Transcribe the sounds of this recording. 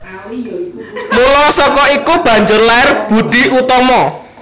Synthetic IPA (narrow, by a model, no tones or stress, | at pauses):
mulɔsɔkɔikub̥a̤ɲd͡ʒərlaɛrb̥ud̪̥i̤ʔut̪ɔmɔ